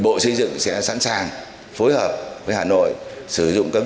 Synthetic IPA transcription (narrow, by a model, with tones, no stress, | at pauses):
ɓo̰˧˨sə˧jzɨ̰˧˨ŋsɛ̰˧˥sa̰ː˧˥nsaː˨˩ŋ | fo˨˦jhəː˨˩p̚vəː˨˦jhaː˨˩no̰˧˨jsɨ˧˩zʊ̰˧˨ŋ͡mkaː˦˥k̚